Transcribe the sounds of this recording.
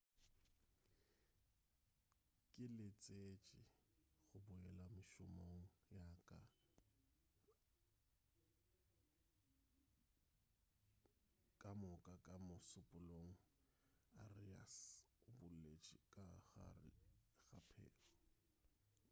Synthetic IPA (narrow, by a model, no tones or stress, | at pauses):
kʼɪlɪt͡sʼet͡ʃʼɪɣʊbʊɛlamɪʃʊmoŋ̩jakʼa | kʼamʊkʼakʼamʊsʊpʼʊloŋ̩ | aria̰s | ʊbʊllet͡ʃʼɪkʼaa̰ɪɣapʰɛ̰ːlɔ